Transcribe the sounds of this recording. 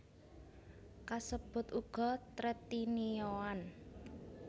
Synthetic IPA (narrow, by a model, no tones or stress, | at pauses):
kasəb̥ʊ̤t̪uɡ̥ɔ̤t̪ɾət̪inijoan